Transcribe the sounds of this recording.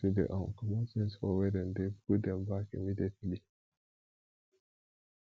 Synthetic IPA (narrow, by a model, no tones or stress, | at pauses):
idɛ̰ʔawkamɔsĩnsfɔwɛdɛ̃ndeɡudɛmbakḭmidiɛtli